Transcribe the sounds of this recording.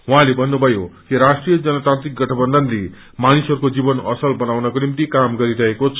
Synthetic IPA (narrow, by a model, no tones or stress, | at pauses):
wʌɦãlebʱʌnːubʱʌjokiɾasʈrijʌd͡zʌnʌt̪ãnt̪ɾik̚ɡʌʈʰʌbʌnd̪ʱʌnle | manisʌɾukod͡zibʌnʌ̰sʌlbʌnawnʌkonimt̪̬ikamɡʌɾiɾʌɦekot͡sʰ